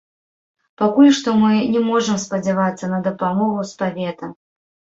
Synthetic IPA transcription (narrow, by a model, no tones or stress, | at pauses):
pakulʲʂt̪ɔmɨnʲɛmɔʐɨmspɐd͡zʲɛvat̪sːɐnɐd̪ɐpamɔɣuspavʲɛt̪ɐ